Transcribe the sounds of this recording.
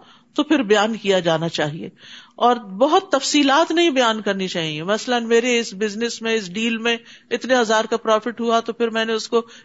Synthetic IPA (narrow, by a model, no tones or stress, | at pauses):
t̪opʰɪɾbɐjaːnkijad͡ʒaːnat͡ʃaːɦiḛːɔːɾbɐɦʊt̪ːɐfsiːlaːt̪nɐɦĩbɐjaːnkɐɾnit͡ʃaːɦĩemɐslənmeːɾeɪsbɪznɪsmẽɪsɖiːlmẽɪt̪neɦɐzaːɾkapɾɔːfɪʈɦuat̪opʰɪɾmɛ̃ːneʊsko